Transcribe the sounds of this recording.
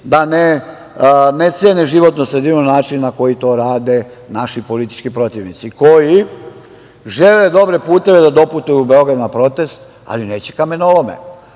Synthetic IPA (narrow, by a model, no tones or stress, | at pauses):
d̪ane | net̪sjeneʒiʋo̞t̪nosɾed̪inonaːt͡ʃinːako̞jit̪o̞ːɾaːd̪e̞ | naʃipo̞lit̪i̥t͡ʃkipɾo̞t̪iʋnit̪siko̞ji | ʒe̞le̞d̪o̞bɾe̞puːt̪e̞ʋe̞d̪ad̪o̞put̪ujubeo̞ɡɾad̪napɾo̞t̪e̞st̪ | a̰lineːt͡ɕe̥kamenolomḛ